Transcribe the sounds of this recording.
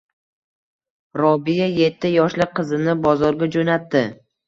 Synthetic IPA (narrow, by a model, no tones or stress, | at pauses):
ɾɒbijaje̞t̪ʰːɪjɒʃlɪqʰɨzɪnɪbɒzɒɾɡʲad͡ʒonat̪ːɪ